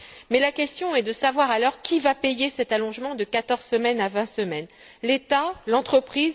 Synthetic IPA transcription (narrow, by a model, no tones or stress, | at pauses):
mɛlakʲɛst̪jɔ̃ɛd̪əsavwaʁalɔʁkʲivapejesɛt̪alɔ̃ʒmɑ̃d̪əkat̪ɔʁz̥səmɛnavɛ̃səmɛn | let̪alɑ̃t̪χəpχiz